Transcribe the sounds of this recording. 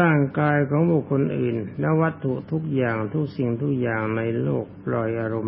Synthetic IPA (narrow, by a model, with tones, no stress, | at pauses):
aː˥˩ŋkaː˧jkʰɔː˨˦ŋbu˨˩kʰːo˧nʔɯː˨˩nlɛ˦˥wa˦˥t̪ʰːu˨˩ʔt̪ʰu˦˥k̚jaː˨˩ŋt̪ʰu˦˥k̚si˨˩ŋt̪ʰu˦˥˩k̚jaː˨˩ŋna˧jloː˥˩k̚plɔ˨˩jʔaː˧ɾo˧m